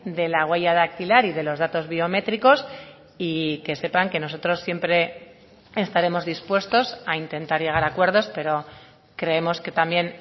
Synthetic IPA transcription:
d̪e̞laɣwe̞ʝaðak̚t̪ilaɾiðe̞lo̞zðat̪o̞zβio̞me̞t̪ɾiko̞s | ike̞se̞paŋke̞no̞s̬o̞t̪ɾo̞sːje̞mpɾe̞ | est̪aɾe̞mo̞zðispwe̞st̪o̞saint̪e̞nt̪aɾʝe̞ɣ̞aɾakwe̞ɾðo̞spe̞ɾo̞ | kɾe̞e̞mo̞ske̞t̪ambje̞n

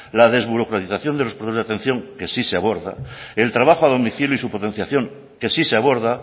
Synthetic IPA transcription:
laðe̞zβuɾo̞kɾat̪iθaθjo̞nd̪elopot̪ozðat̪e̞n̟θjo̞ŋke̞siseaβo̞ɾða̰elt̪ɾaβ̞axoaðomiθiluisupo̞t̪e̞n̟θjaθjo̞ŋ | ke̞siseaβo̞ɾð̞a

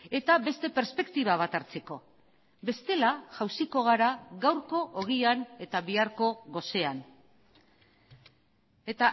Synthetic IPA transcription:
e̞t̪aβe̞st̪e̞pe̞ɾspe̞kt̪iβ̞aβ̞at̪aɾt͡se̞ko̞ | be̞st̪e̞laʝawsiko̞ɣ̞aɾaɣawɾko̞ʔoɣiane̞t̪aβiaɾko̞ɣo̞se̞an | e̞t̪a

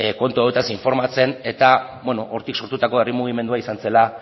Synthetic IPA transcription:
ko̞nt̪uaet̪asiɱfo̞ɾmat͡se̞ne̞t̪aβweno̞ʔoɾt̪ikso̞ɾt̪ut̪ako̞βerimuɣ̞ime̞nd̪uaisanse̞la

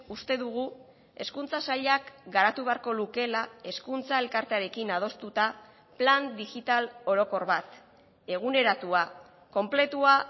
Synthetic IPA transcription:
ust̪e̞ðuɣ̞u | e̞skunt͡sasaʎakɡaɾat̪uβe̞aɾko̞luke̞lae̞skunt͡sae̞lkaɾt̪eaɾe̞kinað̞o̞st̪ut̪a | pland̪iɣit̪alo̞ɾo̞ko̞ɾβat̪ | e̞ɣ̞une̞ɾat̪ua | ko̞mple̞t̪ua

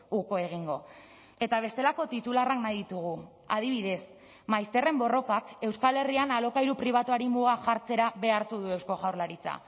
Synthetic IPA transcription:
uko̞e̞ɣ̞iŋɡo̞ | e̞t̪aβ̞e̞st̪e̞lako̞t̪it̪ularaknajðit̪uɣ̞u | að̞iβ̞iðe̞s | majst̪e̞re̞mbo̞ro̞kake̞wskale̞rianalo̞kajɾupɾiβ̞at̪uaɾimuɣ̞aʝaɾt͡se̞ɾaβe̞aɾt̪uðue̞wsko̞ɣawɾlaɾit͡sa̰

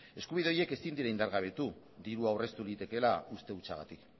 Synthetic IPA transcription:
e̞skuβ̞iðe̞o̞je̞ke̞sind̪iɾaind̪aɾɣaβ̞e̞t̪u | d̪iɾuawre̞st̪ulit̪e̞ke̞laust̪e̞ut͡saɣa̰t̪ik

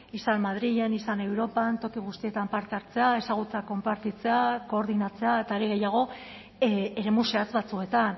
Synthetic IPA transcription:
isanmaðɾiʎe̞nisane̞wɾo̞pant̪o̞kiɣ̞ust̪ie̞t̪ampaɾt̪eaɾt͡se̞ae̞saɣ̞ut͡seako̞mpaɾt̪it͡se̞ako̞ːɾð̞inat͡se̞ae̞t̪aeɾiɣ̞e̞jaɣ̞o̞ | e̞ɾe̞muse̞at͡sβat͡sue̞t̪an

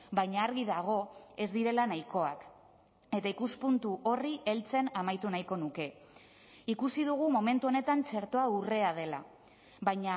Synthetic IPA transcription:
bajɲaːɾɣiðaɣ̞o̞e̞zd̪iɾe̞lanajko̞ak | e̞t̪aikuspunt̪uʔo̞riʔe̞lt͡se̞namajt̪unajko̞nuke̞ | ikusið̞uɣ̞umo̞me̞nt̪uo̞ne̞t̪ant͡se̞ɾt̪o̞aure̞að̞e̞la̰ | βajɲa

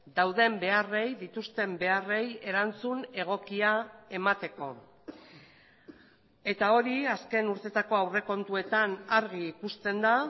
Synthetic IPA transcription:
d̪awðe̞mbe̞are̞jðit̪ust̪e̞mbe̞are̞je̞ɾant͡sune̞ɣ̞o̞kiae̞mat̪e̞ko̞ | e̞t̪ao̞ɾiaske̞nuɾt̪e̞t̪ako̞awre̞ko̞nt̪ue̞t̪anaɾɣiːkust̪e̞nd̪a

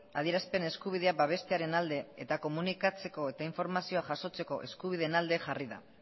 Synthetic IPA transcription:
aðiɾaspe̞ne̞skuβ̞iðe̞abaβ̞e̞st̪e̞aɾe̞nald̪e̞et̪ako̞munikat͡se̞ko̞e̞t̪aiɱfo̞ɾmasio̞aʝaso̞t͡se̞ko̞ʔe̞skuβ̞ið̞e̞nald̪e̞ʝariða̰

